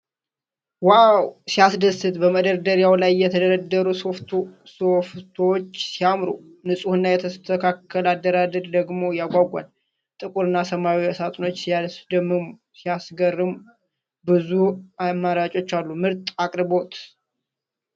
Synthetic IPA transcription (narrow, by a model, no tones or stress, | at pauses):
wawsijasd̪əsɨt̪bəməd̪əɾd̪əɾjawlajːɛt̪ʰəd̪əɾəd̪ːəɾusoft̪ | soft̪ʰot͡ʃːsijamɾu | nɨsʼuhɨnːajɛt̪ʰəst̪ʰəkʰakʰːəlad̪ːəɾad̪əd̪d̪əɡmo̞jaɡʷaɡʷa̰n | t̪ʼɨkʼuɾɨnːasəmawiəsat̪ʼno̞t͡ʃːsijasd̪əmːɨmu | sijasɡərːɨm | bɨzuamːəɾat͡ʃʼo̞t͡ʃːalːumɨɾt̪ʼakʼɾɨbo̞t̪